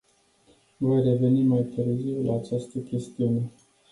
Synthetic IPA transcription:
vo̞jre̞ve̞nimajt̪ɨɾziwlaːt͡ʃast̪əkʲe̞st̪iune̞

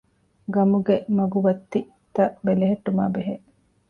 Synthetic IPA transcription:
ɡɐmuɡemɐɡuʋɐt̪ːi | t̪ɐʔbeleɦeʈːumaːbeɦeʔ

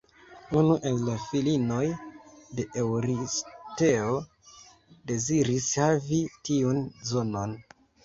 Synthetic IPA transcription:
unuʔe̞lːafilino̞jde̞ʔewɾiste̞o̞ | de̞ziɾishavitiunzo̞no̞n

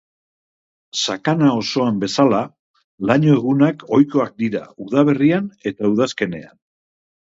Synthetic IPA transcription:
sakanao̞so̞ambe̞sala | laɲo̞e̞ɣ̞unako̞jko̞ak̚d̪iɾa̰uðaβ̞e̞riane̞t̪auð̞aske̞ne̞̰a̰n

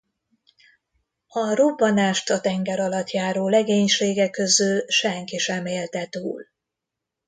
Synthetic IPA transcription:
ɒrobːɒnaːʃt̪ɒt̪ɛŋɡɛɾɒlɒt̪jaːɾoːlɛɡeːɲʃeːɡɛkːø̞zylʃɛŋkiʃɛmeːlt̪ɛt̪ṵːl

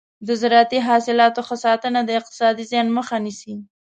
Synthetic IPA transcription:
d̪əzɾɑt̪iɦɑsɪlɑt̪oxəsɑt̪ənad̪əɪq̚t̪ɪ̥sɑd̪izjɑnməxanisi

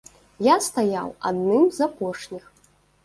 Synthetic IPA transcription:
jast̪aja̰wa̰d̪nɨmzapɔʂnʲix

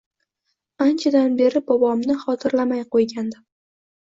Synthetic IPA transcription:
ant͡ʃʰad̪anbe̞ɾɪbɒbɒmnɪχɒt̪ʰɪɾlamajqojɡʲand̪ɪ

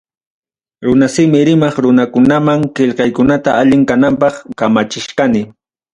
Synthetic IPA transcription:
ɾʊnasɪmɪɾɪmɑχɾʊnakʊnamaŋkeʎqɑjkʊnat̪aaʎɪŋkanampɑχkamat͡ʃɪʃqanɪ

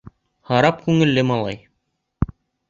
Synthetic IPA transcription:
hɑɾɑp̚kʉŋɘ̆lːɘmɑlˠɑ̰j

